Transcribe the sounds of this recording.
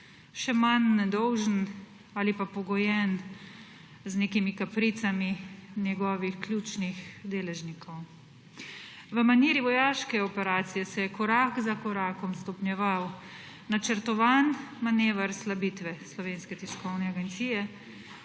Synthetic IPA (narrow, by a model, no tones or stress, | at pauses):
ʃɛmanːɛd̪ɔwʒən | aːlipapɔɡɔjɛn | zneːkimikapɾit̪saminʲjɛɡɔːʋixklʲjuːt͡ʃnixd̪eːlɛʒnikʰɔw | ʋəmaniːɾiʋɔjaːʃkɛɔpɛɾaːt̪sijɛsɛjɛkɔɾaːkzakɔɾaːkɔmst̪ɔpnjɛʋaw | nat͡ʃəɾt̪ɔʋaːnmaneːʋəɾslabit̪ʋɛslɔʋeːnskɛt̪iskɔwnɛaɡɛnt̪siːjɛ